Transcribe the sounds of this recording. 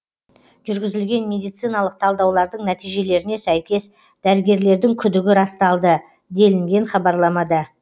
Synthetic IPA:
ʒ̥ʏɾɡʲɪzɪlɡʲe̞nmʲe̞d̪ijt̪sɨjnɑlˠəq̚t̪ʰɑlˠd̪ɑwlˠɑɾd̪əɴnæt̪ijʒe̞le̞ɾɪne̞sæjkʲe̞s | d̪̥æɾɪɡʲe̞ɾle̞ɾd̪ɪŋkʲʰʏd̪ɪɡʲɪɾɑst̪ɑlˠd̪ə | d̪e̞lɪŋɡʲe̞ɴχɑbɑɾlˠɑmɑd̪ɑ

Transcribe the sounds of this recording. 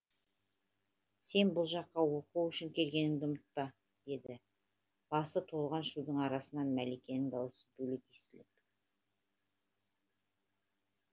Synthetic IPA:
se̞nbʊlˠʒɑqːɑwo̞quwʏʃɪŋkʲʰe̞lɡʲe̞nɪŋd̪ɪʊmət̪̚pɑ | d̪̥e̞d̪ɪ | b̥ɑsət̪ʰo̞lˠʁɑnʃud̪əɴɑɾɑsənɑnmælekʲe̞nɪŋd̪ɑwəsə̥bɵlekest̪ɪlɪp

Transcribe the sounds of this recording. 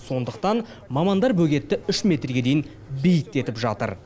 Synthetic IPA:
so̞nd̪əqt̪ɑn | mɑmɑnd̪ɑɾbɵɡʲe̞t̪ːɪʏʃmʲe̞t̪ɾrɡʲe̞d̪e̞jɪn | bejɪk̚t̪e̞t̪ɪpʒɑt̪ə̰ɾ

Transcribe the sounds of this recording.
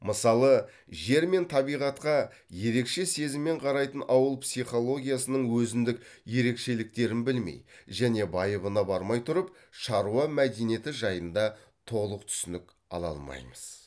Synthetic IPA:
məsɑlˠə | ʒe̞ɾme̞nt̪ʰɑbijʁɑt̪qɑ | je̞ɾe̞kʃe̞se̞zɪmːe̞ɴqʰɑɾɑjt̪ənʔɑwəlˠpsijχo̞lˠo̞ɡʲijasənəɴwɵzɪnd̪ɪk | je̞ɾe̞kʃe̞lɪk̚t̪e̞ɾɪnbɪlmḛjʒæne̞bɑjəβənɑbɑɾmɑjt̪ʰʊɾəp | ʃɑɾuɑmæd̪enije̞t̪ɪʒɑjənd̪ɑ | t̪ʰo̞lˠəqt̪ʰʏ̥sɪnɪk | ɑ̰lˠɑ̰lˠmɑ̰jməz̥

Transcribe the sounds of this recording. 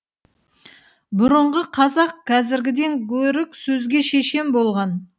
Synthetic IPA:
bʊɾəɴʁəqʰɑzɑqkʲʰɑzɪɾɡʲɪd̪e̞ŋkʲʰɵɾɪksɵzɡʲe̞ʃe̞ʃe̞mbo̞lˠʁɑn

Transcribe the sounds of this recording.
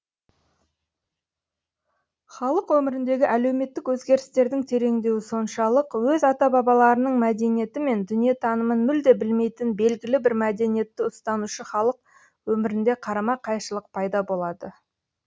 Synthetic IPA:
χɑlˠəqwɵmɪɾɪnd̪e̞ɡʲɪʔæle̞wme̞t̪ːɪkwɵzɡʲe̞ɾɪst̪e̞ɾd̪ɪŋt̪ʰe̞ɾe̞ŋd̪e̞wɪso̞nʃɑlˠəqwɵzɑt̪ɑbɑbɑlˠɑɾənəɴmæd̪e̞nije̞t̪ɪme̞nd̪ʏnije̞t̪ʰɑnəmənmʏld̪e̞bɪlme̞jt̪ɪnbe̞lɡʲɪlɪbɪɾmæd̪e̞nije̞t̪ːɪʊst̪ɑnuʃəχɑlˠəq̚ | wɵmɪɾɪnd̪e̞qʰɑɾɑmɑqʰɑjʃəlˠəq̚pʰɑjd̪ɑbo̞lˠɑd̪ə

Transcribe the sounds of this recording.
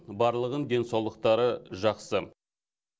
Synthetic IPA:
bɑɾlˠəʁəŋd̪e̞nsɑwlˠəq̚t̪ɑɾəʒɑqsə

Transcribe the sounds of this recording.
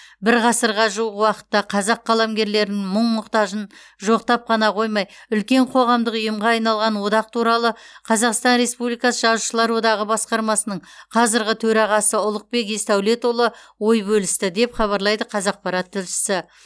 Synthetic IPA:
bɪɾʁɑsəɾʁɑʒuəʁwɑqə̥t̪ːɑqʰɑzɑqːɑlˠɑmɡʲe̞ɾle̞ɾɪnɪŋməɴmʊqt̪ɑʒən | ʒo̞qt̪ɑp̚qʰɑnɑqʰo̞jmɑjʏlkʲe̞ɴqʰo̞ʁɑmd̪əqʊjəmʁɑːjnɑlˠʁɑnwo̞d̪ɑqt̪ʰuɾɑlˠəqʰɑzɑqst̪ɑnɾe̞spublijkɑsəʒɑzuʃəlˠɑɾwo̞d̪ɑʁəbɑsqɑɾmɑsənəɴqʰɑzɪɾʁʲɪt̪ʰɵɾɑʁɑsəʊlˠəq̚be̞k̬est̪æwle̞t̪wolˠəwo̞jbɵlɪst̪ɪd̪e̞pχɑβɑɾlˠɑjd̪əqʰɑzɑq̚pɑɾɑt̪ʰːɪlʃɪ̥sɪ

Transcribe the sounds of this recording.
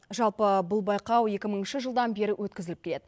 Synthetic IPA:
ʒɑlˠpəbʊlˠbɑjqɑwje̞kʲɪməɴənʃɪʒəlˠd̪ɑnbe̞ɾɪwʔɵt̪̚kʲɪzɪlɪpkʲʰele̞d̪ɪ

